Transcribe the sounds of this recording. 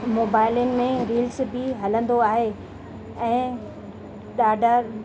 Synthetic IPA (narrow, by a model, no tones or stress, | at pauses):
moːbaːɪljənɪ̆mẽɾiːlsbɪɦɐlə̃nd̪oaːɦe | ɛ̃ː | ɗaːɖʱaɾ